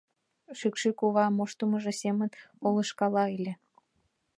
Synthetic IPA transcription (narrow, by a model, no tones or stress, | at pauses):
ʃykʃykuβɑmoʃt̪uməʒesemənoləʃkɑlɑelʲe